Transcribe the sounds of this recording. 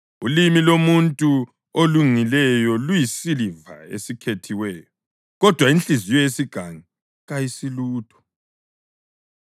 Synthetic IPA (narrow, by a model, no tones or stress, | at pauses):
ulimilomuntʼu | oluŋ͡ǀilɛjɔlujisiliva̰ḛsikʰetʰiwɛːjɔ | ɣɔd̥ʱwaint͡ɬʼizijɔjesiɡ̥ʱaŋi | ɣajisiluːd̥ʱɔ̥